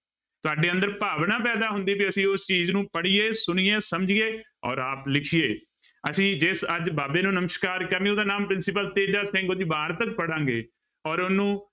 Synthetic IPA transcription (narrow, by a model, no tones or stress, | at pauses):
t̪ʊaːɖeːə̃nd̪əɾpaːʋɳaːpɛːd̪aːɦʊnd̪iːpiəsĩːʊst͡ʃiːznũːpəɽiːeːsʊniːeːsəmd͡ʒiːeː | ɔ̰ːɾaːplɪkʰijeː | əsĩːd͡ʒɪsəd͡ʒbaːbeːnũːnəməʃkaːɾkəmĩʊːd̪aːnãːmpɾɪnsɪpəlt̪eːd͡ʒd͡ʒaːsʰẽːŋɡoːd͡ʒ̪iːbaːɾt̪ək̚pəɽãːŋɡḛː | ɔːɾʊnːũː